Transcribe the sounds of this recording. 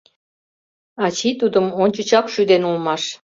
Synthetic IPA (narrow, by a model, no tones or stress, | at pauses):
ɑt͡ɕit̪ud̪əmonʲt͡ɕə̆t͡ɕɑkʃyd̪enulmɑʃ